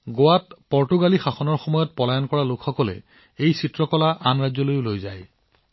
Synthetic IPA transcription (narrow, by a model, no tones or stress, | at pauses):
ɡowatpɔɹtuɡalixaxɔnɔɹxɔmɔjɔt̚pɔlajɔnkɔɹalʊkʰxɔkɔlɛ̰ | ejsitɹɔkɔlaʔanɹazɔlojʊlojzaj